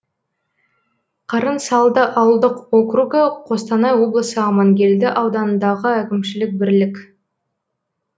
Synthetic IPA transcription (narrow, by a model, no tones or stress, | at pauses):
qʰɑɾənsɑlˠd̪əʔɑwəlˠd̪əqokruɡəqʰo̞st̪ɑnɑjwo̞blˠəsəɑmɑŋɡʲe̞ld̪ɪʔɑwd̪ɑnənd̪ɑʁəœkʲɪmʃɪlɪk̚bɪɾlɪkʲ